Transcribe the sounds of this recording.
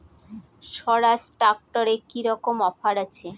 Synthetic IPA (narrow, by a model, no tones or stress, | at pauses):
ʃɔɾasʈak̚ʈoɾekiɾɔkomɔfaɾat͡ɕʰe